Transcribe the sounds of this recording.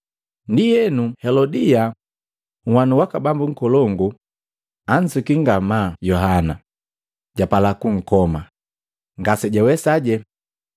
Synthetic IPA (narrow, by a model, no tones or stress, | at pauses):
ndijɛnuhɛlɔdia | ŋ̩wanuwakabambuŋ̩kɔlɔŋɡu | an̩sikiŋɡamaːjɔɦana | ɟapalakuŋ̩kɔma | ŋɡasɛɟawɛsaɟɛ